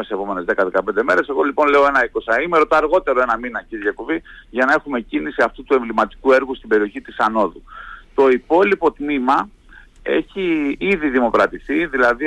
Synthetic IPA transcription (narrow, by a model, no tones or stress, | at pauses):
esepo̞me̞ne̞zðe̞kɐðe̞kɐpe̞nd̪eme̞ɾe̞se̞ɣo̞lipo̞nle̞o̞e̞nɐiko̞sɐimeɾot̪ɐːɾɣo̞t̪e̞ɾo̞e̞nɐminɐciɾʝɐkoviʝɐnɐe̞xume̞cinisiɐft̪ut̪ue̞ɱvlimɐt̪i̥kue̞ɾɣust̪ibe̞ɾio̞çit̪isɐno̞ðut̪o̞ipo̞lipo̞t̪mimɐ | e̞̰çiiðiðimo̞kɾɐt̪iθiðilɐði